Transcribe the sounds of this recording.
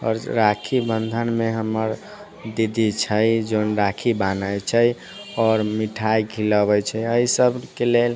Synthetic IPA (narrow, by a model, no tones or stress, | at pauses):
ɔ̰ɾɾakʰibənd̪ʱənmeɦəməɾ | d̪id̪ʱit͡ʃʰəjd͡ʒonɾakʰibanəjt͡ʃʰəj | ɔːɾmiʈʰajkʰiləbət͡ʃʰəəisəbʱkelel